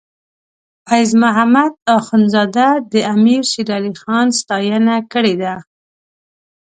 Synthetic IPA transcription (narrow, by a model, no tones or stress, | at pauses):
fajzmʊɦamad̪ɑxʊnzɑd̪ad̪əamiɾsiɾɑlixɑnst̪ɑjənakəɽed̪a